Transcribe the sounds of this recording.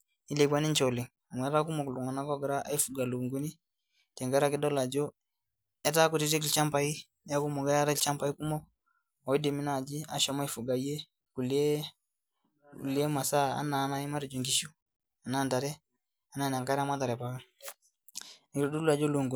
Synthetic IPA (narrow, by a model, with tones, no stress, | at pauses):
i˦le˨k̬a˦ni˦nt͡ʃɔ˨lɪ˨ŋ | a˨ŋwɛ˨ɾa˦ku˦mɔ˨klu˨ŋa˨na˦kɔ˦ɡɾa˦ʔa̰˦i˦fu˨ɡa˨lo˨ŋɡu˦ni˦ | tɛ˨ŋɡa˦ɾa˦kɪ˦dɔ˦la˨d͡ʒo˦ | ɛ˦ta˦ku˨ti˨ti˦klt͡ʃa˦mpa˨i˦ | ja˦ku˦mɔ˨ɡa˦ja˦ɾa˦t͡ʃa˦mpa˨˦i˦ku˦mɔ˦k̚ | ɔ˨i˦de˨mi˦na˨d͡ʒi˦a˨ʃɔ˨ma˦i˦fu˨ɡa˨i˦e˦ | ku˨le˦˨ | li˨e˦ma˨sa˦˨a̰˦na˨˦na˦i˦ma˦ɾi˨d͡ʒo˨ŋɡi˨ʃu˦ | a˨na˦˨nta˨ɾɛ˦ | a˨na˨˦˨na˨ŋka˦ɾa˦ma˦ta˨ɾɛ˨pa˨ka˦ | n˨ku˦do˦la˨d͡ʒo˦lo˨ŋɡu˨